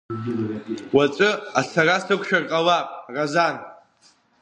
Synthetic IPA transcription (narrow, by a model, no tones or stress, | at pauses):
wat͡ʃʼɨasarasɨkʷʰʼʃᶣarqʼalapʼrazan